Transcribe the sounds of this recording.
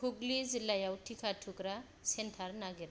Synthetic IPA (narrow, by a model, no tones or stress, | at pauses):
kʰuɡlizilajawtʰikʰatʰukɾa | sentʰaɾnaɡiɾ